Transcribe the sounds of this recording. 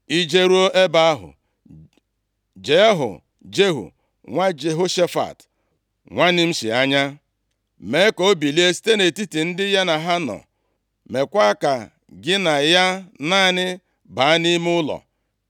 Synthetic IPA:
i˦d͡ʒe˦ɾu˦o˦ʔe˦ba˦a˦ɦʊ̰˨ | d͡ʒe˨˦ɦʊ̰˨ | d͡ʒe˦ɦṵ˨ | ŋʷa˦d͡ʒe˨ɦo˦ʃe˦fa̰˨t | ŋʷa˦nɪ˦m̩˦sḭ˨a˦ɲa˦ | me˨˦ko˦bi˨li˦e˦si̥˦te˦ne˨ti˦ti˨n̩˦dɪ˦ja˦na˨ɦa˦nɔ̰˨ | me˨kʷa˦ka˨ | ɡɪ˦na˨ja˦naː˦˨nɪ˦ | ba˨a˦ni˦m˦ʊ˦lɔ̰˨

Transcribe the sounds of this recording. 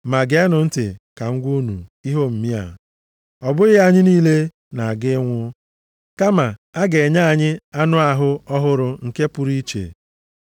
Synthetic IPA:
ma˨ɡe˨a˦nʊ˨n̩˦tɪ˨ka˨ŋ̩˦ɡʷu˦nu˨i˦ɦo˦m̩˨mi˦a̰˨ | ɔ˨bʊ˦ɣɪ˦a˦ɲɪ˦niː˦le˦ | na˨a˨ɡɪ˦ŋʷʊ˦ | ka˦ma˨a˦ɡe˨ɲa˦˨ɲɪ˦a˦nʊ˦a˨ɦʊ˦ɔ˦ɦʊ˦ɾʊ˨ŋ̩˨ke˦pʊ˦ɾi˦t͡ʃḛ˨

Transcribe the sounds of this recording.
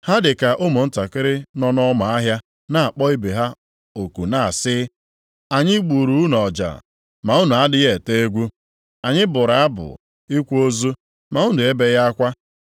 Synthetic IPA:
ha˦dɪ˨ka˨ʔʊ˦mʊ˨n̩˦ta˨kɪ˦ɾɪ˦nɔ˦nɔ˦ma˨a˦ɦja˦ | na˦˨a˨k͡pɔ˦i˦be˨ɦa˦ | o˨ku˨na˦˨a˨sɪ˦ | a˨ɲɪ˦ɡ͡bu˨ɾu˦nɔ˨d͡ʒa̰˨ | ma˨u˦nu˨a˦dɪ˦ɣe˨te˦e˦ɡʷu˦ | a˨ɲɪ˦bʊ˨ɾa˨a˦bʊ̰˨ | i˦kʷo˦zu˦ | ma˨˦u˦nu˨e˦be˦ja˦a˦kʷa˦

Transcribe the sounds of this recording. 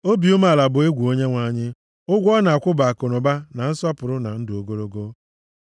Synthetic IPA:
o˦bi˨ʊ˦ma˦˨la˨bʊ˨e˦ɡʷu˨o˦ɲe˦ŋʷa˦ɲɪ˦ | ʊ˦ɡʷɔ˦na˨a˨kʷʊ˦ba˨a˨ko˨nʊ˨ba˦na˨n̩˦sɔ˦pʊ˨ɾʊ˦na˨n̩˦dɪ˨o˨˦ɡo˦ɾo˦ɡo˦

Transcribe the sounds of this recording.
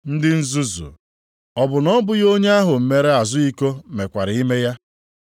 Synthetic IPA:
n̩˦dɪ˦n̩˦zu˦zṵ˨ | ɔ˨bʊ˨nɔ˦bʊ˦jo˦ɲe˦a˦ɦʊ˨m̩˦me˦ɾe˦a˨zʊ˦i˦ko˦me˨kʷa˨ɾɪ˨˦i˦me˦ja˦

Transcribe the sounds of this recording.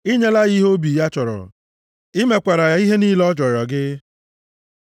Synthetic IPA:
i˦ɲe˦la˦ɣi˦ɦo˦bi˨ja˦t͡ʃɔ˨ɾɔ̰˨ | ɪ˦me˦kʷa˨ɾa˨a˨˦i˦ɦe˦niː˦lɔ˦d͡ʒɔ˨ɾɔ˨ɡɪ˦

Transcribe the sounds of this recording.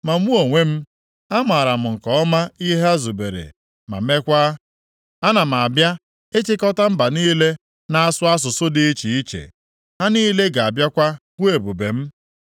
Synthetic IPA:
ma˨m˦u˦o˨ŋʷe˦m̩˦ | a˦ma˨ɾa˨m̩˨ŋ̩˨kɔ˨ɔ˦ma˦i˦ɦe˦a˦zu˨be˨ɾḛ˨ | ma̰˨me˦kʷa˦ | a˦na˨m̩˨a˨bja˦ | e˦t͡ʃɪ˦kɔ˦ta˦m̩˦ba˨niː˦le˦ | na˨a˦sʊ˦a˦s̬ʊ˨sʊ˦dɪ˦i˦t͡ʃi˨i˦t͡ʃḛ˨ | ha˦niː˦le˦ɡa˨a˨bja˦kʷa˦ɡʷu˦e˨bu˨be˨m̩˦

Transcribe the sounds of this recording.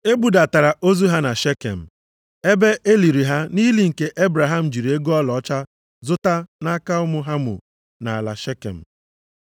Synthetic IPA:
e˦bu˨da˨ta˨ɾa˨ʔo˦zu˦ɦa˦na˨ʃe˦kḛ˨m̩˨ | e˦be˦ʔe˦li˨ɾi˨ɦa˦ni˦li˦ŋ̩˨ke˦ʔe˦bɾa˨ɦa˦˨m̩˨d͡ʒi˨ɾe˦ɡo˦ɔ˦lɔ˨ɔ˦t͡ʃa˦ | zʊ˦ta˦na˦ka˦ʊ˦mʊ˦ɦa˦mʊ̰˨ | na˨a˨la̰˨ʃe˦kḛ˨m̩˨

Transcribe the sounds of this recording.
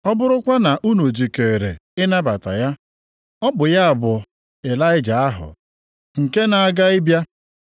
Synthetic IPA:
ɔ˦bʊ˦ɾʊ˦kʷa˦na˨ʔu˦no˨d͡ʒi˨ke˨ɾḛ˨ɪ˦na˦ba˨ta̰˨ja˦ | ɔ˦bʊ˨ja˦a˨bʊ˨ | e˨la˦ɪ˦d͡ʒa˨a˦ɦʊ̰˨ | ŋ̩˨ke˦na˨a˨ɡa˦ɪ˦bja˦

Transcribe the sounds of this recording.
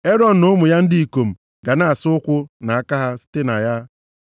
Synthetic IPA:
e˦ɾɔ˦n̩˨nʊ˦mʊ˨ja˦n̩˦dɪ˦i˨ko˨m̩˨ | ɡa˨na˦a˨sʊ˦ʊ˦kʷʊ˦na˨a˨ka˦ɦa˦sɪ̥˦te˦na˨ja˦

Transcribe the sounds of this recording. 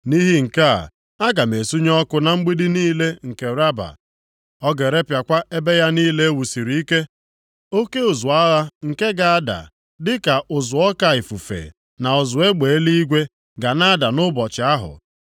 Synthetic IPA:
ni˦ɦi˦ŋ̩˨ka̰˦˨ | a˦ɡa˨me˨su˦ɲɔ˦kʊ˦na˨ŋ͡m̩˦ɡ͡bi˦di˦niː˦le˦ŋ̩˨ke˨ɾa˦ba̰˨ | ɔ˦ɡe˨ɾe˦pja˨kʷa˦e˦be˦ja˦niː˦le˦e˦wu˨si˨ɾi˨i˦ke˦ | o˦ke˦ʊ˨zʊ˨a˦ɣa˦ŋ̩˨ke˦ɡa˨a˦da̰˨ | dɪ˦ka˨ʔʊ˨zʊ˨ɔ˦ka˦˨ɪ˨fu˨fḛ˨ | na˨ʊ˨zʊ˨e˦ɡ͡be˨e˦li˦i˦ɡʷe˦ | ɡa˨na˦a˦da˨nʊ˦bɔ˨t͡ʃɪ˨a˦ɦʊ̰˨

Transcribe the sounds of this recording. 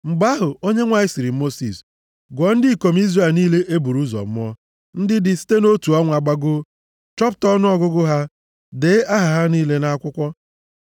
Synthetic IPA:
ŋ͡m̩˨ɡ͡ba˦ɦʊ˨o˦ɲe˦ŋʷa˨˦ɪ˦sɪ˨ɾi˨˦mo˦sḭ˨s | ɡʷɔ˨˦n̩˦dɪ˦˨ko˨m̩˦i˦zre˨lniː˦le˦ʔe˦bu˨ɾu˦zɔ̰˨m̩˦ɔ˦ | n̩˦dɪ˦dɪ˨si̥˦te˦no˦tu˨ɔ˦ŋʷa˨ɡ͡ba˦ɡʊ˦ | t͡ʃɔ˦p̬tɔ˦nʊ˦ɔ˦ɡʊ˦ɡʊ˦ɦa˦ | deː˨˦a˦ɦa˨ɦa˦niː˦le˦na˦a˦kʷʊ˦kʷɔ˦

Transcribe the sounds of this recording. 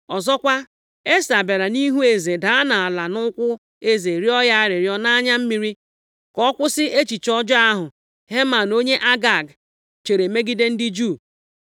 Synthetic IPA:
ɔ˨zɔ˦kʷa˦ | e˦sa˨be˨ɾa˨ni˦ɦu˦e˨ze˨da˨˦a˦na˨a˨la˨nʊ˦kʷʊ˦ | e˦ze˨ɾi˦ɔ˦ja˦a˦ɾɪ˨ɾjɔ˦na˦ɲa˦m̩˦mi˨˦ɾi˦ | kɔ˦kʷʊ˦sɪ˦ʔe˦t͡ʃi˨t͡ʃɔ˦d͡ʒɔ˦a˦ɦʊ˨ | ɦe˦ma˨no˦ɲe˦ʔa˦ɡa˨ɡ | t͡ʃe˨ɾe˨me˦ɡi˦de˦n̩˦dɪ˦d͡ʒu˦˨

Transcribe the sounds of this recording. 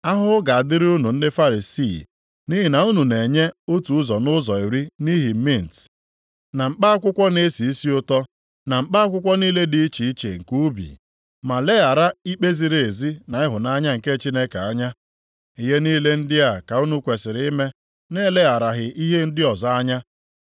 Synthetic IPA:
a˦ɦʊ˦ɡa˨a˨dɪ˦ɾi˦u˦nu˨n̩˦dɪ˦fa˦ɾi˨si˦˨ | ni˦ɦi˨na˨u˦nu˨ne˨ɲe˦o˦tu˨ʊ˦zɔ˨nʊ˦zɔ˨i˨ɾi˦ni˦ɦi˨˦mi˦˨n̩˨t | na˨m̩˨k͡pa˦a˦kʷʊ˦kʷɔ˦ne˦si˨i˦si˦ʊ˦tɔ˦ | na˨m̩˨k͡pa˦a˦kʷʊ˦kʷɔ˦niː˦le˦di˦i˦t͡ʃi˨i˦t͡ʃḛ˨ŋ̩˨ku˦u˦bḭ˨ | ma˨le˦a˨ɾa˦i˦k͡pe˦zi˨ɾe˨e˨zi˦na˨ɪ˦ɦʊ˨na˦ɲa˦ŋ̩˨ke˦t͡ʃi˦ne˦ka˨a˦ɲa˦ | i˨ɦe˦niː˦le˦n̩˦dɪ˦a˨ka˨u˦nu˦kʷe˨sɪ˨ɾɪ˦me˦ | ne˦le˦a˨ɾa˨ɦɪ˨ʔi˦ɦe˦n̩˦dɪ˦ɔ˨zɔ˦a˦ɲa˦

